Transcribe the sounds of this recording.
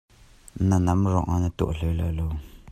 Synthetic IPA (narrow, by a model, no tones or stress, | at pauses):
nanamɾɔ̰ʔanat̪ṵʔɬela̰lo